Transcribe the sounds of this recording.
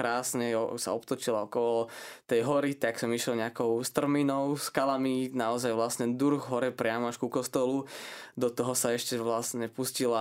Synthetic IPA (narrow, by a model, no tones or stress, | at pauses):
ɾaːsɲɛɔsa̰ɔpt̪ɔt͡ʃilaɔkɔlɔt̪ɛjɦɔɾit̪aksɔmiʃɛlɲɛakɔʊst̪r̩minɔʊskalaminaɔzajʋlasɲɛd̪uɾɣɦɔɾɛpɾɪamɔaʃkukɔst̪ɔlud̪ɔt̪ɔɦɔsaɛʃcɛʋlasɲɛpuscila